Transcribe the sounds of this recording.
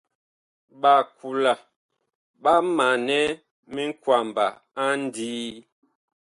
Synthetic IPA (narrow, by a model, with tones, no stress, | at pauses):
ɓa˨kʰu˨la˨ | ɓa˦ma˨nɛ˦ | mi˦ŋ̩˦kwa˨mba̰˨ | a˦n˦diː˦